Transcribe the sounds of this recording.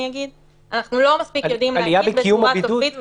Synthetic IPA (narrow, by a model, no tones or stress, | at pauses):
iaɡid̪ | ʔanaχnulo̞maspikajod̪imalijabeijumaaidouit̪